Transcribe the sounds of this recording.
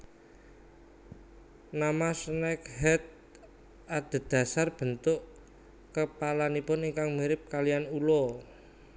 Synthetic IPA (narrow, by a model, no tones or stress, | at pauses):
namasnɛkɦɛt̪̚ | ad̪̥ə̤d̪̥a̤sarb̥ə̤nt̪ʊʔ | kəpalanipʊniŋkaŋmiɾɪp̚kalijanulɔ